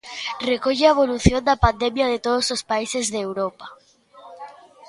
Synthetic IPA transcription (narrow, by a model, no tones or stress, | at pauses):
rekoʝeaeβo̞luθjond̪apand̪emjaðet̪oð̞osospaisezðeːwɾopa